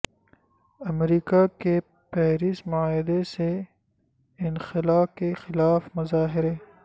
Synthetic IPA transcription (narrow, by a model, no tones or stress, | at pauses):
ɐmɾiːkake | pɛːɾismʊaːɦɪd̪ese | ɪnxɪlaːkexɪlaːfmɐzaːɦɪɾe